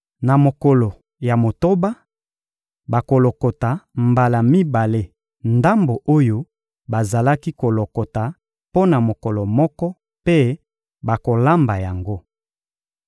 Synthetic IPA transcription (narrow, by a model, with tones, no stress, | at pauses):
na˨mo˨kɔ˨lɔ˨ | ja˨mo˨to˦ba˦ | ba˨ko˨lo˨kɔ˨ta˨mba˨la˨mi˦ba˨le˦ | nda˦mbo˨ʔo˦jo˦ | ba˨za˨la˦ki˦ko˨lo˨kɔ˨ta˨ | po˦na˨mo˨kɔ˨lɔ˨mɔ˦kɔ˦ | pe˦ | ba˨ko˨la˦mba˨ja˨ŋɡo˦